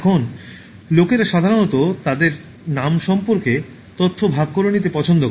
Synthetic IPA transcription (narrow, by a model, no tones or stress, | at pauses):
ɛkʰon | lokeɾʃad̪ʱaɾonɔt̪ot̪ad̪eɾ | namʃɔmpoɾke | t̪ot̪ʰːobʱaɡ̚koɾonit̪̬epɔt͡ɕʰond̪ok